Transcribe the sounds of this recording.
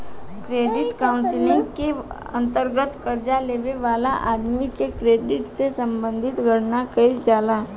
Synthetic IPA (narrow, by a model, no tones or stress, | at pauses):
kɾeːɖɪʈkaʊnsɪlɪ̃ŋɡke | ɐ̰̃nt̪əɾɡət̪kəɾd͡ʒaleːʋeʋaːlaʔaːd̪mikekɾeːɖɪʈsesɐ̃mbə̃nd̪ʱɪt̪ɡʱəɽnakəizjaːd̪a